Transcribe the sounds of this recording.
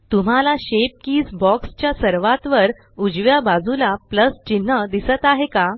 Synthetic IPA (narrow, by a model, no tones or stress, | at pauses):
t̪um̤alaɕep̚kiːd͡zbɔkst͡ɕjasəɾʋat̪ʋəɾ | ud͡ʑʋjabad͡zulapləst͡ɕin̤ːəd̪isət̪aɦeka